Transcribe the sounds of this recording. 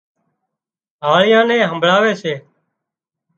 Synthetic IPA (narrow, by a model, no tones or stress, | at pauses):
ɦaːɭɪjãːnẽːɦəmbʱɭaːʋeːseː